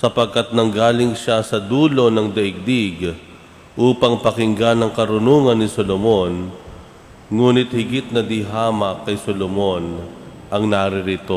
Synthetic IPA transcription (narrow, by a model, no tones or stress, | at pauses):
sɐpɐɡ̚kat̪̚nɐŋɡaːlɪŋʃasɐd̪uːlo̞nɐŋd̪ɐʔɪɡ̚d̪iɡ | ʔuːpɐŋpɐkɪŋɡanɐŋkɐɾʊnuːŋɐnːɪsolomo̞n | ŋuːnɪt̪̚hɪɡɪt̪̚nɐd̪ɪɦaːmɐkːɐjsolomo̞n | ʔɐŋnaɾɪɾɪt̪o